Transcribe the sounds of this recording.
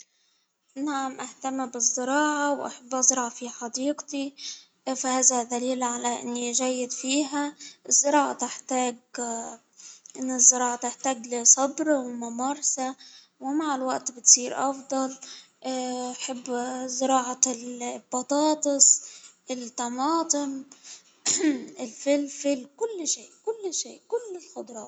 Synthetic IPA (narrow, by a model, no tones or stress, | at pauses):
naʕamʔaht̪amːbɪzˤːɨɾɑːʕawʔa̰ħabːʔzˤɾʕɑfiħɑd̪iːɡt̪i | fahaːðad̪aliːlʕalaʔɪ̰nːiʒajːɪd̪fiːɦaʔɪzːɪɾˤɑːʕat̪ɪħt̪aːɡ | ʔɪnːɪzːɪɾˤɑːʕat̪ɪħt̪aːɡlɪsˤɑbɾwmamɑɾˤsa | wɪmaʕɪlwaʔt̪bɪt̪siːɾʔɑfd̪ˤɑl | ʔaħabːzɪɾɑːʕɑlb̥ɑt̪ˤɑːt̪ˤɨsˤʔɪlt̪ɑmɑːt̪ˤɨm | ɪlfɪlfɪlkʊlːʃeːʔkʊlːʃḛːʔkʊlːɪlxʊd̪ˤɾˤɑ̰ː